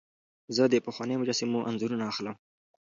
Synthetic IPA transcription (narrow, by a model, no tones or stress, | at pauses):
zəd̪əpəxwɑnəjmʊd͡ʒɑsɪmuʔanzuɾunaːxləm